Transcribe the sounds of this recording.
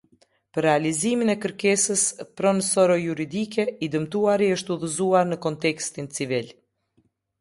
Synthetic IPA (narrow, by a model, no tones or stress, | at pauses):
pəɾːɛaliziminɛkəɾkɛsəspɾɔnsɔɾɔjuɾid̪ikɛid̪əmt̪uaɾiəʃt̪uðəzuaɾnəkɔnt̪ɛkst̪int͡sivil